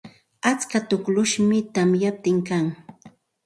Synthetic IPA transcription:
at͡skat̪ʊklʊʃmɪt̪amjap̚t̪ɪŋkaŋ

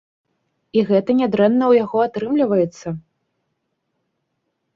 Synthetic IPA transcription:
iɣɛt̪ɐnʲad̪ɾɛnːɐwjaɣɔat̪ɾɨmlʲivɐjɛt̪sːɐ

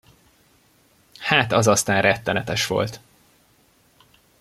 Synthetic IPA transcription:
haːt̪ɒzɒst̪aːnrɛt̪ːɛnɛt̪ɛʃʋo̞̰lt̪

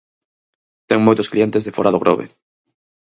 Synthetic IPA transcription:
t̪eŋmojt̪osklie̞nt̪e̞zðefoɾaðoɣɾo̰βḛ

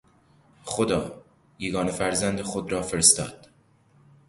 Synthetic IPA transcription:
xod̪ɒ̰ː | jeɡɒːnefæɾzænd̪exod̪rɒːfeɾest̪ɒ̰ːd̪̥

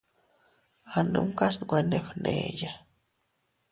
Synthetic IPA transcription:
anṵmkasnɡʷeneɸnḛja

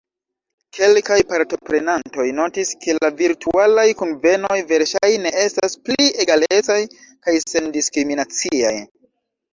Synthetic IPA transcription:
kʰe̞lkajpaɾto̞pɾe̞nanto̞jno̞tiskʰe̞laviɾtʰualajkonve̞no̞jve̞ɾʃajne̞e̞stasplie̞ɡale̞t͡saj | kajse̞ndiskɾiminat͡sia̰j

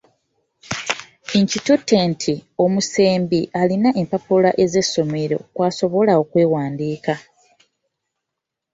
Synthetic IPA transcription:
eɲcitutːentʰio̞muse̞ːmbiʔalinaʔe̞mpapulaʔe̞ze̞sːo̞me̞ɾo̞̰kwaːso̞βo̞lao̞kwe̞ːwaːndiːka

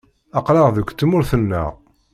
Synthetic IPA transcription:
ɑqlɑʁðəkʷːt͡sːmʊɾθənːə̰ʁ

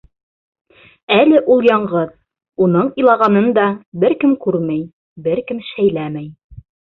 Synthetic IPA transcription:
ælɘʔulˠjɑɴʁɤð | unɤɴĭjlˠɑʁɑnɤnd̪ɑbɘɾkɘmkʉɾmæj | bɘɾkɘmʃæjlæmæj

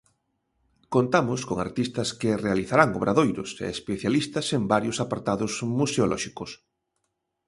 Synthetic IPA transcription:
kont̪amʊskoŋa̰ɾt̪ist̪ɐskerealiθaɾaŋoβ̞ɾaðojɾʊ̰sḛːspeθjalist̪ɐsembaɾjosapaɾt̪aðozmuseolʔɔ̰ʃikos

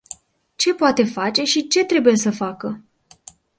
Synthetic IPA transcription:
t͡ʃe̞poat̪e̞fat͡ʃe̞ʃit͡ʃe̞t̪ɾe̞buje̞səfakə

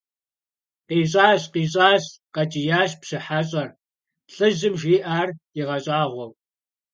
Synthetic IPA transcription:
qiːɕʼaːɕqiːɕʼaːɕqɐt͡ʃʼijaːɕpɕɨħaɕʼɐr | ɬɨʑɨmʒiːʔaːriʁɐɕʼaːʁʷɔw

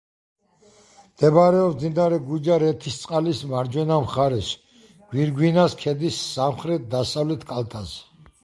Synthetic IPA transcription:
md̪̥ɛbɾɛɔmd̪zind̪aɾɛɡud͡ʒaɾɛt̪ʰist̪sʼqʼalismaɾd͡ʒwɛnamχaɾɛs | ɡ̥wiɾɡwinaskʰɛd̪isːamχɾɛt̪̚ʰd̪asavlɛt̪ʰkʼalˠt̪ʰazɛ

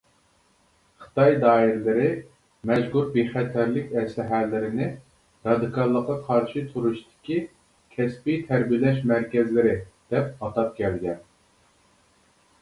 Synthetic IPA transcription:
χɨ̥t̪ɑjd̪ɑːiɾɪlɪɾɪ | mɛʒɡuɾbeχɛt̪ʰæɾlɪkʲɛsɪɦælːɪɾɪnɪ | ɾɑd̪ɨkʰɑlˠːəqːɑqʰɑɾʃɪt̪ʰuɾuʃt̪ʰɪ̥kʲi | kʲʰɛspijt̪ʰɛɾbijlɛʃmæɾkʲɛzlɪɾɪd̪̥ɛp̚ɑt̪ɑp̚kʲʰɛlɡʲɛn

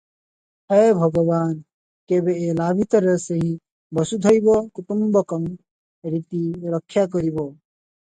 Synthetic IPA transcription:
hejbʱʌɡɔbaːn | kebeelaːbʱit̪ɾʌseɦĩ | bʌsud̪ʱʌjbokut̪umbɔkʌm | ɾit̪iɾʌkʰːjakɔɾibo

